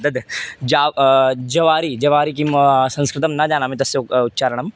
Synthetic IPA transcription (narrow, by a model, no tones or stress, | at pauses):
d̪ɐd̪d͡ʒaːd͡ʒɐʋaːɾid͡ʒɐʋaːɾik̬imsɐ̃nskɾɪt̪ɐmnɐd͡ʒaːnamĩt̪ɐsːeʊt̪ːt͡ʃaːɾəɳ̃ɐm